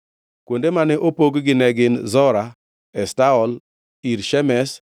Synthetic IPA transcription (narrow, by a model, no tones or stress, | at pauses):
kwondemanɛʔopoɡɡɪnɛɡɪnzɔɾa | ɛstaɔl | iɾʃɛmɛs